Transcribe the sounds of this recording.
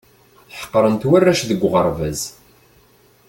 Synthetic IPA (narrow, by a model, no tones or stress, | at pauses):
θħə̥qːɾˤənt̪wærːæʃðəɡʷːʁəɾˤvæz